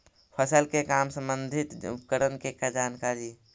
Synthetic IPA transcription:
pʰəsəlkekamsə̃mbənd̪ʱit̪ṵp̚kəɾənkekad͡ʒaːnkaːɾi

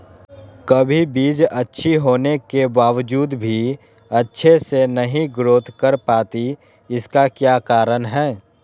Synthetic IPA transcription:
kɐbʱibiːd͡ʒɐtːʃʰiɦoːnekebaːʋd͡ʒuːd̪bʱi | ɐtːʃʰesenɐɦĩɡɾoːt̪ʰkəɾpaːt̪i | ɪskakjaːkaːɾənɦɛː

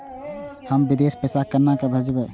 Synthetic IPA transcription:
həmbid̪espəsakəɾnakebʱəd͡ʒbɛ

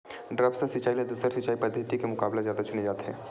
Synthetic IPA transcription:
ɖɾəbsəsɪt͡ʃaːiled̪uːsəɾsɪt͡ʃaːipəd̪ʱjət̪ikemʊkaːblezjaːd̪at͡ʃʊned͡ʒaːt̪ɦɛ̰̃ː

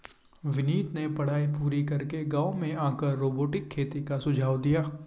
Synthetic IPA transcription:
ʋɪniːt̪nepɐɽ̤aːipuːɾikɐɾkeɡãːomẽãːkəɾːoːboːʈɪkʰːeːt̪ikasʊd͡ʒʱaːʋd̪ijaː

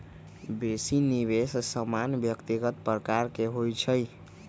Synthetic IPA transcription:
besiniβessəmanbjəkt̪iɡət̪̚pɾəkaɾkeɦojt͡ʃʰəj

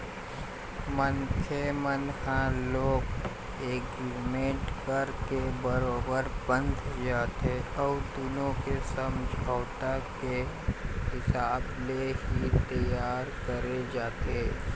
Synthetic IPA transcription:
mənkʰemənhãloːɡ | eːkɪɾmẽːʈkəɾkebəɾoːbəɾbə̃nd̪ʱd͡ʒaːt̪eɔːɾd̪ʊnõkesəmd͡ʒʱaːt̪ake | hɪsaːbleɦit̪əjaːɾkəɾed͡ʒaːt̪eː

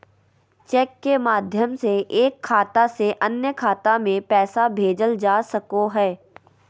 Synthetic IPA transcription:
t͡ʃɛːkːemaːd̪ʱjəmseʔeːkʰːaːt̪aseʔɐnjəkʰaːt̪amẽpɛːsabʱeːd͡ʒəld͡ʒaːsɐkoɦɛː

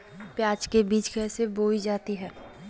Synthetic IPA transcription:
pjaːt͡ʃkebiːt͡ʃkɛːseboːid͡ʒaːt̪iɦɛ̃ː

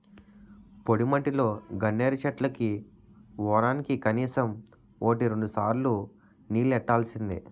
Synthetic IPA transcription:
po̞ɽimɐʈːilo̞ːɡɐnːeːɾɐt͡ʃɐʈlɐki | ʋɔːɾaːnikikɐniːsɐm | o̞ːʈiɾo̞ɳɖusaːɾlu | niːlɛʈːaːlsind̪ḭ

